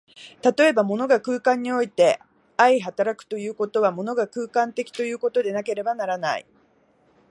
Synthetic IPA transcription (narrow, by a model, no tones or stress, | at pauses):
t̪at̪o̞e̞bamo̞no̞ɡakɯ̟ːkãɲ̟ːio̞it̪e̞ | aiɦat̪aɾakɯ̟̥t̪o̞jɯ̟ːko̞t̪o̞β̞amo̞no̞ɡakɯ̟ːkãnt̪e̞kʲi̥t̪o̞jɯ̟ːko̞t̪o̞d̪e̞nake̞ɾe̞banaɾana̰ḭ